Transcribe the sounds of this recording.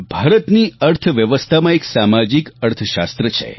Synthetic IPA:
bʱaɾət̪niəɾt̪ʰəʋjəʋəst̪ʰamãeksamad͡ʒikəɾt̪ʰəʃa̰st̪ɾət͡ʃʰḛ

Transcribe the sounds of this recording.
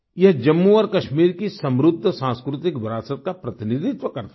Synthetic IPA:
jɐɦd͡ʒɐmːuɔːɾkɐʃmiːɾkisɐ̃mɾʊd̪ʱːsãːnskɾʊt̪ɪkbɾaːsət̪̚kapɾɐt̪ɪnid̪ʱɪt̪ʋəkɐɾt̪

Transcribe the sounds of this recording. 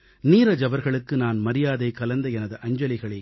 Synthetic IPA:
niːɾɐd͡ʒɐʋɐɾɣɐɭɯkːɯnaːnmɐɾɪjaːðɐɪkːɐlɐnd̪ɐɛnɐðɯʔɐɲd͡ʒɐlɪɣɐɭɐ

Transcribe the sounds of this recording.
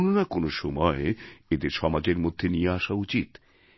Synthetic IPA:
nonakonoʃɔmɔeed̪eɾʃɔmad͡ʑeɾmod̪ʱːenijeaʃaut͡ɕit̪

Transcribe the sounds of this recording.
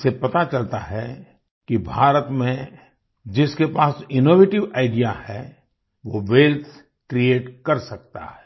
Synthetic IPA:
sepɐt̪at͡ʃɐlt̪aɦɛ | kibʱaːɾət̪mẽ | d͡ʒɪskepaːsɪnoːʋeːʈɪʋaːɪɖijahɛ | ʋoʋeːlt̪ʰ | kɾieːʈkɐɾsɐk̚t̪a̰ɦɛː

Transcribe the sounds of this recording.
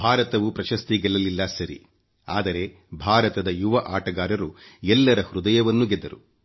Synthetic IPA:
bʱaːɾɐt̪ɐʋupɾɐʃɐst̪iɡɛlɐlilːɐsɐɾḭ | a̰ːd̪ɐɾe̞ | bʱaːɾɐt̪ɐd̪ɐjuʋɐʔaːʈɐɡaːɾɐɾuɛlːɐɾɐhɾud̪ɐjɐʋɐnːuɡɛd̪ːɐɾu

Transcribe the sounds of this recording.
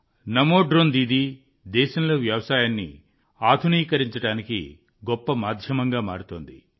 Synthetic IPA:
nɐmoːɖɾoːnd̪iːd̪i | d̪ɛːʃɐmlo̞ːʋjɐʋɐsaːjaːnːḭ | aːd̪ʱuniːkɐɾiɲt͡ʃɐɽaːnikḭ | ɡɔpːɐmaːd̪ʱjɐmɐŋɡaːma̰ːɾut̪o̰ːnd̪i

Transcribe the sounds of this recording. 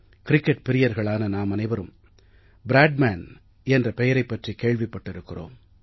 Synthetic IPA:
kɪɾɪkːɛʈ̚pɪɾɪjɐɾɣɐɭaːnɐnaːmɐnɐɪʋɐɾɯm | bɪɾaːɖmaːn | ɛndrɐpɛjɐɾɐɪpːɐʈrikeːɻʋɪpːɐʈːɪɾɯkːɪro̰ːm

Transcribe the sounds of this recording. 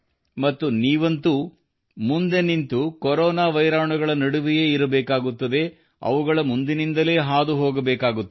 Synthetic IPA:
mɐt̪ːuniːʋɐnt̪u | mund̪e̞nint̪ukɔɾɔːnaːʋɐjɾaːʋɳɐɡɐɭɐnɐɽuʋijeːiɾɐbɛːkaːɡut̪ːɐd̪e̞ | ɐ̰ʋuɡɐɭɐmund̪inind̪ɐle̞ːɦaːd̪uɦoːɡɐbɛːkaːɡut̪ː

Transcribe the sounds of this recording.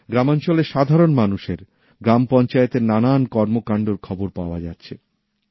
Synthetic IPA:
ɡɾamant͡ɕoleʃad̪ʱaɾonmanuʃeɾ | ɡɾampɔnt͡ɕaet̪eɾnanankɔɾmokaɳɖoɾkʰɔboɾpaoa̰d͡ʑatːɕʰḛ

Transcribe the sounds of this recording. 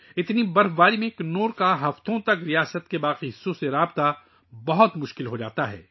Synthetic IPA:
ɪt̪nibɐɾbaːɾimẽknoːɾkaɦɐft̪õt̪ɐkɾijaːsət̪kebaːqisoseɾaːbt̪a | bɐɦʊt̪mʊʃkɪlɦod͡ʒa̰ːt̪aɦɛ̰ː

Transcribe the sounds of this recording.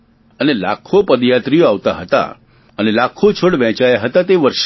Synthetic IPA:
ənela̰kʰopəd̪jat̪ɾijoaʋt̪aɦət̪a̰ | ənelakʰot͡ʃʰoɽʋɛ̃t͡ʃajaɦət̪at̪eʋəɾʃ

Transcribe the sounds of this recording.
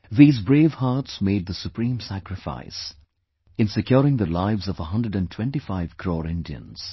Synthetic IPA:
ðiːzbɾeːvhaɾtsmeɪd̪̚ðəsupɾĩːmsækɾɪfa̰ɪs | ɨ̃nsɨkjɔːɾɪ̃ŋðəlaɪvzʌvəɦʌ̃ndəɖæ̃ntʰwɛ̃nʈifaɪv̥kʰɾɔːɾɪ̃ndiə̰̃nz̥

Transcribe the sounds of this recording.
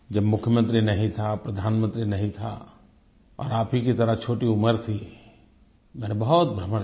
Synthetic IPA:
d͡ʒɐbmʊkʰːjəmə̃nt̪ɾinɐɦĩt̪ʰapɾɐd̪ʱaːnmə̃nt̪ɾinɐɦĩt̪ʰa̰ | ɔ̰ːɾaːpʰikit̪ɐɾət͡ʃʰoːʈiʊməɾt̪ʰi | mɛːnebɐɦʊt̪̚bʱɾəmːə

